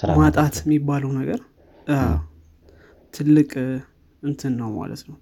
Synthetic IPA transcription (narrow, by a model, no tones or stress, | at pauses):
mat̪ʼat̪jɛmːibːaləwnəɡəɾ | a | t̪ʰɨlːɨkʼ | ɨnt̪ʰɨnːəwma̰lə̰t̪nəw